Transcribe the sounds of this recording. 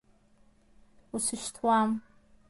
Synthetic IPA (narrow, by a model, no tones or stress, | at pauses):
usɨʃtʰwam